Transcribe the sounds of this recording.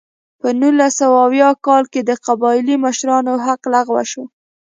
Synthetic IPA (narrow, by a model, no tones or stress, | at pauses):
pənulːasawaawjɑkɑlked̪əqabɑɪliməʃɾɑnoɦaqlaɣwa̰ʃo